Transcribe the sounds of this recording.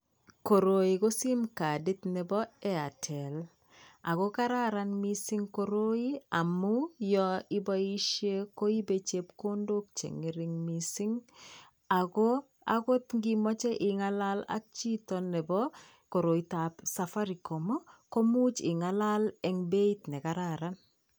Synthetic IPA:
ko˨ɾo˨i˨ɡo˦sɪ˦mka˨di˦t̪nɛ˨bɔ˦ɛ˦a̰˨tʰɛ˨l | a˨ɡo˦ka˦ɾa˦ɾa˦nmi˦sɪ˦ŋko˨ɾo˦i˦a˨mu˦jɔ˦ɪ˦bɔ˦i˦ʃje˦ko˦i˦be˦t͡ʃe˦pko˦ndo˦k̚t͡ʃḛ˨ŋe˨ɾɪ˦ŋmisi˦ŋ | a˨ɡo˦ | a̰˦ko˦t̪ŋɡi˦mɔ˦t͡ʃɛ˦ʔɪ˨ŋa˦la˦la̰k̚t͡ʃi˦tɔ˨nɛ˨bɔ˦ | ko˨ɾo˨itapsafa˦ɾi˨kɔ˨mɔ˦ko˦mu˦t͡ʃɪ̰˨ŋa˨la˦lɛ˨ŋbe˦it̪nɛ˨ka˨ɾaɾan

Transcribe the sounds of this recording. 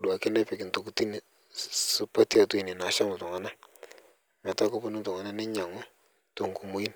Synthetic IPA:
du˨a˨ke˦nɛ˦pɪ˨ki˨ntu˨ku˨ti˦ni˨ | su˦pa˦ti˦a˨tu˦i˨nɪ˨na˨˦ʃa˦mʊ˨tʊ˨ŋa˦na˦ | mɛ˨ta˦ku˦pu˦nu˦tʊ˨ŋa˨na˦nɪ˦ɲa˨ŋu˦ | to˨ŋku˨mu˦i˦n

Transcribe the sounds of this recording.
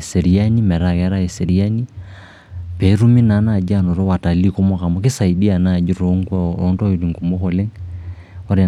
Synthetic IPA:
sɛ˨ɾi˨a˦ni˦mɛ˨ɾa˨ɣɛ˦ɾa˦ɛ˨sɛ˨ɾia˦ni˦ | pɛ˨˦ɾu˦mi˦na˨˦na˨d͡ʒa˦nɔ˨ɾɔ˦wa˨ta˨li˦ko˦mɔ˦ka˨mɔ˦ki˦sa˨i˨di˦a˨na˨d͡ʒi˦ɾo˦ŋ˦kɔɔ˦ntɔ˦i˨ɾi˨ŋku˨mo˦kɔ˨le˦ŋ | ɔ˦ɾɛ˨

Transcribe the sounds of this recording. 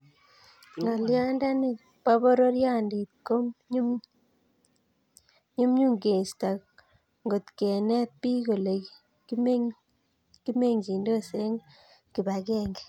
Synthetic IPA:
ŋa˨lja˦nda˦ni˦ | pa˦βo˦ɾo˦ɾjaː˦˨ndi˨tko˦mɲu˦m | ɲu˦mɲu˦ŋɡe˨sta˨ | ŋɡo˨t̪ke˨ne˦pːi˦ko˨le˨ | ki˦me˦ | ki˦me˦˨ŋɡi˨ndo˦se˦ŋ | ki˨βa˨keː˦˨ŋɡe˨

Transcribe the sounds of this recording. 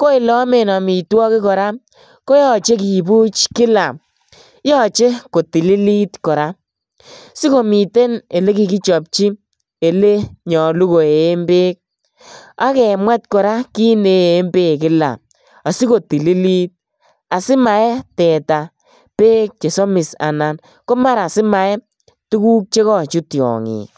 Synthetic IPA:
ko˦i˨lɔ˦me˨nɔ˨mi˨twɔ˦kɪ˦kɔ˨ɾa˦ | ko˦jɔ˨t͡ʃe˦ki˨bu˦t͡ʃkɪ˦la˨m | jɔ˦˨t͡ʃe˦ko˨ti˨li˦li˦tkɔ˨ɾa˦ | si˦ko˨mi˨te˦ne˨le˦ki˦ki˦t͡ʃɔ˨p̚t͡ʃi˦ | e˨le˦ɲɔ˨lu˦ko˨e˨˦mbeː˦k̚ | a̰˦kɛ˨mwɛ˦t̚kɔ˨ɾa˦ki˦ne˦˨˦mbe˦˨kɪ˦la̰˨ | a˨si˦ko˨ti˨li˦li˦t̚ | a˨sɪ˦ma˨ɛ˦tɛ˨ta˨ | peː˦k̚t͡ʃe˨sɔ˦mɪ˨sa̰˨na˨n | kɔ˦ma˦ɾa˨sɪ˦ma˨ɛ˦ | tu˦ku˦k̚t͡ʃe˦kɔ˦t͡ʃu˦tjɔ̰˨ŋḭː˨

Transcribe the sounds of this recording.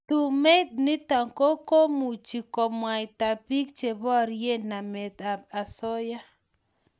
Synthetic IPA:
t̪u˨me˦t̪̚ni˦t̪a˨ŋko˦ko˦mu˨t͡ʃi˨kɔ˨mwa˨jt̪a˨pi˦k̚t͡ʃe˨bɔ˦ɾje˦na˨me˨t̪a˨b̚a˨sɔ˦ja˦

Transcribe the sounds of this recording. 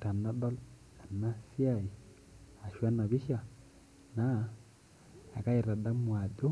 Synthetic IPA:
ta˨na˦dɔ˦lta˨nːa˦si˦a˦˨i˨ | a˨ʃwa˦na˨βi˦ʃa˦ | na˦˨ | ka˦i˨ɾa˨da˦mwa˨do˦

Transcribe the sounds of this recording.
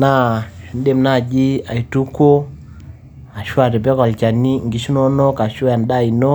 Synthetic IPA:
na˦ʃu˨n˦dɛ˦˨mna˦˨d͡ʒi˦a̰˨i˨tu˦ko˦ | a˨ʃu˦a˦˨ɾɛ˨bɛ˦ka˨lt͡ʃa˨ni˦ŋɡi˨ʃu˦nɔ˦nɔ˦ka˨ʃɔ˦ja˨n˨ɗa˦˨i˨nɔ˦

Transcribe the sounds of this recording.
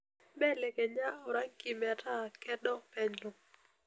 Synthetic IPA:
bɛ˦lɛ˨kɛ˨ɲa˦ɔ˨ɾa˦ki˨mɛ˨a˨tʰa˦˨kɛ˦dɔ˦pɛ˦ɲlɔ˨

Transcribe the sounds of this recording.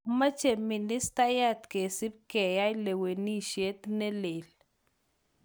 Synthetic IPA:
ma˦t͡ʃe˨mi˨ni˦st̪a˦ja˦t̪ke˨si˦b̚ke˨ja˦jle˨we˨ni˦ʃje˦t̪ne˦le˨l

